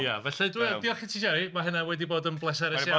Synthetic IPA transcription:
javɛɬɛdwɛdiɔχɪtʰiʃɛɾimaɦənawɛdiboːdənblˠɛsaɾɛsa

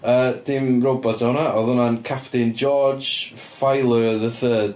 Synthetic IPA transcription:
əːd̥ɪmrobɔtʰahʊnaʔɔðʊnankʰapʰtɪnd͡ʒɔd͡ʒ | fajlˠəðəθəːd̥

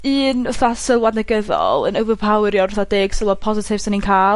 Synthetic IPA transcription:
ɨːnʊθasɪlˠwadnəɡəðɔ̰lˠə̰nəwvəpʰawɾjɔrʊθadeːɡ̥səlˠwad̚pʰɔzɪtʰɪvsaninkʰaːl

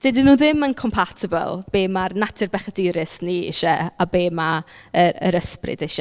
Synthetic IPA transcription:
d̥edɪnuːðɪmənkʰɔmpʰatʰɪbə̰lˠb̥eːmarnatʰɪrbɛχədɪɾɪsniɪ̰ʃɛabeːmaəɾə̰ɾəsprɪ̰dɪʃɛ

